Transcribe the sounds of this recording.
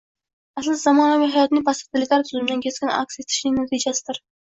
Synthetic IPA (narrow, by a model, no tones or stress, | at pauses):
æslɨd̪zɑmɑnɛmɪɦɑjɑt̪nɪpʰɑst̪ʰɪlɪkʲlæɾt̪ʰyzɨmɪd̪ɨnkʲʰeskʲinɑ̰kʲset̪ʰɪ̥ʃnɪnɑt̪ʰid͡ʒɛsɪd̪ɨɾ